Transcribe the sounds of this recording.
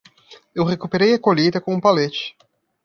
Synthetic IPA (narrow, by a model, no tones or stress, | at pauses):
ewχekupeɾejɐkoʎid̪ɐkõũpalet͡ʃɪ̥